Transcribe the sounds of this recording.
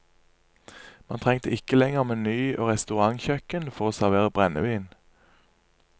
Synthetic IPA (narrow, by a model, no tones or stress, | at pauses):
mɑ̰ːnt̪ʰʁɛŋt̪ʰəɪkəlɛŋəʁmeːnyːʔoːʁɛst̪ʉʁɑŋçœkənfɔʁoːsæʁʋeːʁəbʁɛnə̰ʋiːn